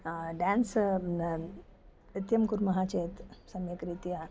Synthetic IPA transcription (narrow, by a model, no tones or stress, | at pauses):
ɖæ̃ns | it̪jɐmkuɾmɐɦat͡ɕet̪sɐmjəkɾit̪ija